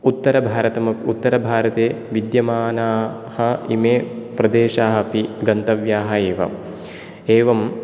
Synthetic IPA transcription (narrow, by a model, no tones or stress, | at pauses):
ut̪ːɐɾɐbʱaːɾɐt̪ɐmɐut̪ːɐɾɐbʱaːɾɐt̪eːʋid̪jɐmaːnaː | hɐḭmeːpɾɐd̪eːʃaːɦɐpiɡɐnt̪ɐʋjaːɦɐeːʋɐ̰ | eːʋɐm